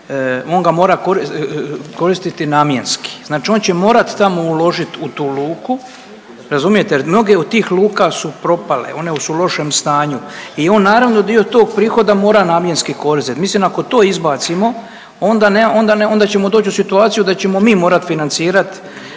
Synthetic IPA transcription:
o̞ːnɡamo̞ːɾakoɾiko̞ɾist̪it̪inaːmje̞nski̥znaːt͡ʃio̞nt͡ɕe̞mo̞ːɾat̪t̪amoulo̞ʒit̪ut̪uːluːku | ɾazumije̞t̪ejɾmno̞ɡe̞od̪̚t̪ːiːxluːkasupɾo̞palḛo̞ne̞sulo̞ʃemst̪aːɲuio̞ːnːaːɾaʋnod̪io̞t̪oːɡ̚pɾiːxo̞d̪amo̞ːɾanaːmje̞nskiko̞ɾisit̪mislinako̞t̪o̞ːizbaːt̪simo̞ | ond̪aneo̞nd̪aneo̞nd̪at͡ɕe̞mo̞d̪oːt͡ɕusit̪uaːt̪sijud̪at͡ɕe̞mo̞miːmo̞ːɾat̪finant̪siːɾat̪

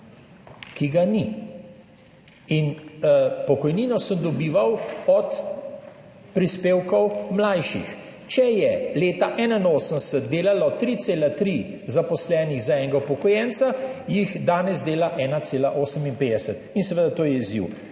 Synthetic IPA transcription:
kiɡani | in | pɔkɔjniːnɔsəmd̪ɔbiːʋawɔt̪ | pɾispeːwkɔwmlajʃḭx | t͡ʃɛjɛleːt̪aʔɛːnainoːsənsət̪̚d̪eːlalɔt̪ɾit̪seːlat̪ɾi | zapɔslɛːniɣzaɛŋɡaupɔkɔjɛnt̪sajixd̪aːnɛzd̪eːlaʔɛːnaseːlaʔoːsəminpeːd̪ɛsət̪insɛʋeːd̪at̪oːjɛizḭw

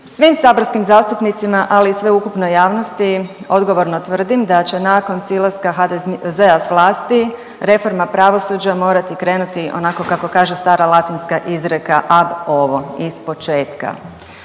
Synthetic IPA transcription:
sʋimsaboɾskimzaːst̪upnit̪simaʔalisʋeukupnojaːʋnost̪i | o̞d̪ɡo̞ʋo̞ɾnot̪ʋr̩d̪imd̪at͡ɕe̞naːko̞nsilˠaskaɦad̪zeasʋlˠaːst̪i | ɾe̞fo̞ɾmapɾaʋo̞sud͡ʑamo̞ːɾat̪ikɾe̞ːnut̪iʔo̞̰nako̞kako̞kaːʒest̪aːɾalˠat̪inskaʔizɾekaʔabo̞ʋo̞ispo̞t͡ʃe̞ːt̪ka̰

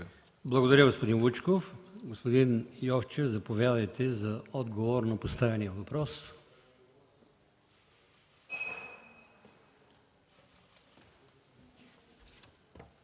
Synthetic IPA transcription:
blˠɐɡod̪ɐɾʲjəɡospod̪inlˠut͡ʃkofɡospod̪injɔft͡ʃɛvzɐpovʲjad̪əjt̪ɛzɐɔd̪ɡovoɾnɐpost̪avʲɛnijəvɐpɾɔs

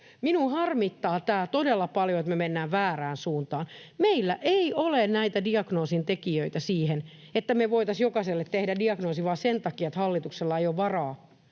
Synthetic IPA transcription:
minuhɑrmit̪ːɑːt̪æːt̪odelːɑpɑljoet̪memenːæːʋʋæːræːnsuːnt̪ɑːnmeilːæʔeiʔolennæit̪ædiɑɡnoːsint̪ekiøit̪æsiːhen | et̪ːæmeʋoit̪ɑsjokɑselːet̪t̪ehdædiɑɡnoːsiʋɑːsent̪ɑkiɑet̪hɑlːit̪ukselːɑeijoʋʋɑrɑː

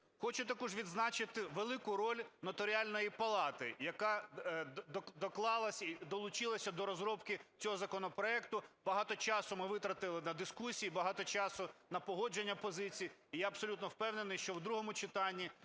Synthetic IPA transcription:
xɔt͡ʃʊt̪ɐkɔʒʋʲid̪znɑt͡ʃɪt̪ɪʋelˠɪkʊɾɔlʲnɔt̪ɔɾʲɪalʲnɔjipɐlˠɑt̪ɪjɐkɑ | d̪ɔklˠɑlˠɐsʲid̪ɔlˠʊt͡ʃɪlˠɐsʲɐd̪ɔɾɔzɾɔpkɪt͡sʲɔɦɔzɐkɔnɔpɾɔɛk̚t̪ʊbɐɦɑt̪ɔt͡ʃɑsʊmɪʋɪt̪ɾɐt̪ɪlˠɪnɐd̪ɪskusʲijibɐɦɑt̪ɔt͡ʃɑsʊnɐpɔɦɔd͡ʒenʲːɐpɔzɪt͡sʲijiijaɐbsɔlʲut̪nɔwpɛwnenɪjʃt͡ʃɔwd̪ɾuɦɔmʊt͡ʃɪt̪ɑnʲːi

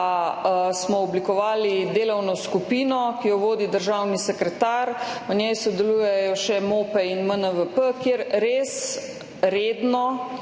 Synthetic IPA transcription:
smɔɔblikɔʋaːlid̪eːlɔwnɔskupiːnɔkijɔʋoːd̪id̪əɾʒawnisɛkɾɛt̪aɾɔnʲjɛjsɔd̪ɛlujɛjɔʃɛmoːpɛinmənəʋəpəkjeɾɾeːs | ɾeːd̪nɔ

